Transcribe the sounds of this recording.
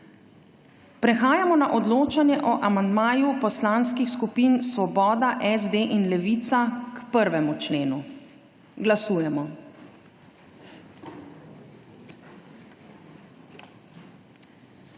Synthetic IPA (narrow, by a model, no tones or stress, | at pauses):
pɾɛxaːjamɔnaʔɔd̪loːt͡ʃanjɛʔɔʔamand̪maːjupɔslaːnskixskupiːnsʋɔbɔːd̪aʔɛzd̪eːʔinlɛʋiːt̪sakpəɾʋɛmut͡ʃleːnu | ɡlasuːjɛmɔ